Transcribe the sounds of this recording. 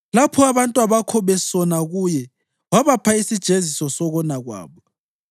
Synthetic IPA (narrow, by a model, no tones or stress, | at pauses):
lapʰɔaβantʼwaβakʰɔβɛsɔnaɣujɛ | waβapʰaisid̥ʒ̥ʱezisɔsɔɣɔnaɣwa̰ːβɔ